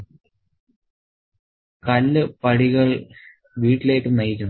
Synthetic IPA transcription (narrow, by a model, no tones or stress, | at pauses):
kɐlːɨpɐɻiɣɐɭ | ʋiːʈːilejʈːɨmnɐjikʲːunː